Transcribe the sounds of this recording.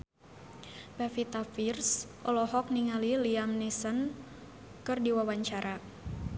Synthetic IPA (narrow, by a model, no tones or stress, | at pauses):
b̥afit̪afirsʔɔlɔɦɔk̚niŋaliliamnisən | kɨrdiwawaɲt͡ʃaɾʔa